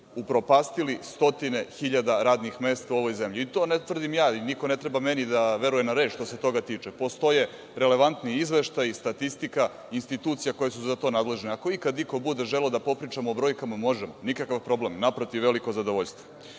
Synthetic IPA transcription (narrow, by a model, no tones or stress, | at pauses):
upɾopaːst̪ilist̪o̞t̪ine̞xiʎad̪aɾaːd̪nixme̞ːst̪auo̞ʋo̞jze̞mʎiːt̪o̞ːnet̪ʋr̩d̪imjaːiniko̞ne̞t̪ɾebamenid̪aʋe̞ɾujenaɾe̞ːt͡ʃʃt̪o̞se̞t̪o̞ɡat̪iːt͡ʂepo̞st̪o̞je̞ | ɾele̞ʋant̪niizʋe̞ʃt̪ajist̪at̪ist̪ika | inst̪it̪uːt̪sijako̞jesuzat̪o̞ːnaːd̪le̞ʒneako̞ikad̪niko̞bud̪e̞ʒelod̪apo̞pɾiːt͡ʃamoːbɾo̞jkamamo̞ʒemonikakavpɾo̞ble̞mnapɾot̪iʋːe̞likozad̪o̞ʋoʎʲst̪ʋo